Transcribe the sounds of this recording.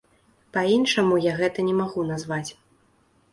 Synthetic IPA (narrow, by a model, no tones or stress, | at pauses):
painʂɐmujaɣɛt̪ɐnʲɛmaɣunazvat͡sʲ